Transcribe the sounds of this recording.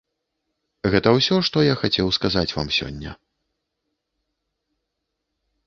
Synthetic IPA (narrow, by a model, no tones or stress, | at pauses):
ɣɛt̪ɐwsʲɔʂt̪ɔjaxat͡sʲɛwskazat͡sʲva̰msʲɔ̰nʲːɐ̰